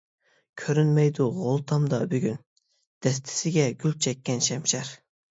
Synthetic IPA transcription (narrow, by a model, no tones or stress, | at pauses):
kʲʰøɾynmɛjd̪uʁolˠt̪ʰɑmd̪ɑbyɡʲyn | d̪̥ɛs̬t̪ʰɪ̥sɪɡʲɛɡʲylt͡ʃʰɛkʲːɛnʃɛmʃɛɾ